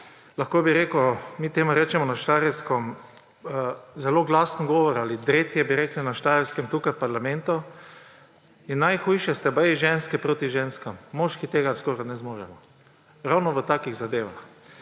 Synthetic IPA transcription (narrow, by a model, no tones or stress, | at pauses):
laxkoːbiɾeːkomiːt̪eːmuɾɛːt͡ʃɛmɔnaʃt̪aɾɛwskɔm | zɛloɡlasnɡɔːʋɔɾaːlid̪ɾet̪jɛbiɾɛːklinaʃt̪aːɾɛwskɛmt̪uːkajpaɾlamɛ̃nt̪ɔ | inːajxujʃɛst̪ɛbəjiʒɛnskɛpɾoːt̪iʒeːnskamːɔʃkit̪eːɡaskɔɾanɛzmoːɾɛmɔ | ɾawnɔʋət̪aːkiɣzad̪eːʋa̰x